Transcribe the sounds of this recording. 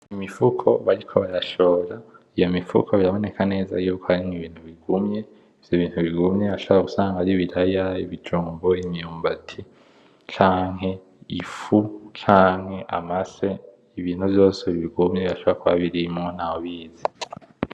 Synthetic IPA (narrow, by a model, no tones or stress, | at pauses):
imifukʰo̞βaɾikʰo̞βaɾaʃo̞ːɾa | ijo̞mifṵkʰoβiɾaβo̞ne̞kʰane̞ːza̰juːkʰoaɾimiβiːn̥huβiɡumɲe̞ | v̥joiβiːn̥huβiɡumɲeaʃoβoɾaɡusaːŋɡaaɾiβiɾajaiβid͡ʒuːmbo̞imjuːmbatʰi | t͡ʃaːŋɦe̞ | ifut͡ʃaːŋhe̞ʔa̰mase̞ | iβiːn̥huvjo̞ːseβiβiɡumɲeβiaʃoβoɾakuβaβiɾimŋonawoβiːzi